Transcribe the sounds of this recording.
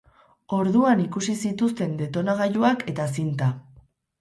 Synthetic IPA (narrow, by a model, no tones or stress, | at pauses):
o̞ɾðuanikusisit̪ust̪e̞nd̪e̞t̪o̞naɣ̞ajuakʰe̞t̪asint̪a